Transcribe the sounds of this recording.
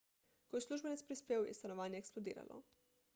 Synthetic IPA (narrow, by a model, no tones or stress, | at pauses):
kojislˠuʒbenit̪spɾispeːujḛst̪anoʋaːɲe̞ːksplod̪ḭːɾa̰lˠʔo̰